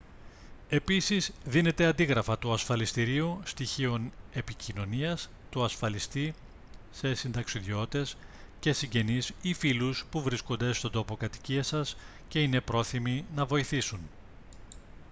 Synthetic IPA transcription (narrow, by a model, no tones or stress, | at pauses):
e̞pisizðine̞t̪e̞ɐnd̪iɣɾɐfɐt̪uɐsfɐlist̪iɾiust̪içio̞ne̞picino̞niɐs | t̪uɐsfɐlist̪i | se̞sind̪ɐksiðʝo̞t̪e̞s | ce̞siɲɟe̞nisifiluspuvɾisko̞nd̪e̞st̪o̞nd̪o̞po̞kɐt̪i̥ciɐsɐs | ce̞ine̞pɾo̞θiminɐvo̞iθisun